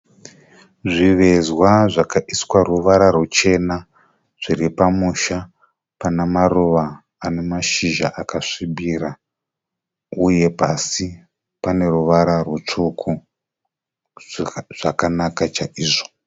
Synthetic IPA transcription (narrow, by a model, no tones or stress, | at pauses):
ʐiʋe̞zwaʐakaʔiswaruʋaɾarut͡ʃe̞na | ʐ̥iɾipamuʃa | panemaruʋaː | ne̞maʃiʒaʔakaʂibiɾa | uje̞pasi | pane̞ruʋaɾarwut͡ʂukʰu | ʐ̥akanakat͡ʃaʔiːʐo̥